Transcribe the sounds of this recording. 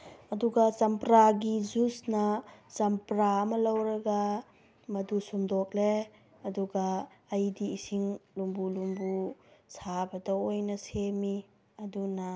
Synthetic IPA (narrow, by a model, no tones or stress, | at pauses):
ɐduɡɐt͡ʃɐmpɾaɡizusnɐt͡ʃɐmpɾamɐlɐwɾɐɡa | mɐdusumdɔk̚le | ɐduɡaː | jdiisiŋlumbulumbusabɐdɐojnɐsemi | ɐdunɐ